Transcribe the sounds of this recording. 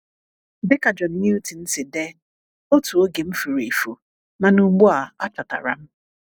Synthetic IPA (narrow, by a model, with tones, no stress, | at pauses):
bɪ˦ka˨d͡ʒɔ˨n̩˨ɲi˦u˦ti˨n̩˦sɪ˨de˦ | o˦tu˨o˦ɡi˨m̩˦fu˨ɾi˨fu˨ | na˨nu˦ɡ͡bu˦a˨a˦t͡ʃa˨ta̰˨ɾa̰˨m̩˦